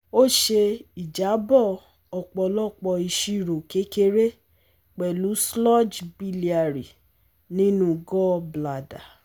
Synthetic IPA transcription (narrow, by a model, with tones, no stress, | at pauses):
o˦˨ʃe˧i˨d͡ʒa˨˦bɔ˦˨ | ɔ˨k͡pɔ˧lɔ˦˨k͡pɔ˧i˧ʃi˦˨ɾo˨ke˨˦ke˦ɾe˦ | k͡pɛ˨lu˨˦slɔ˦d͡ʒbi˧li˨a˨ɾi˨ | nĩ˦nũ˦ɡɔ˦bla˨da˨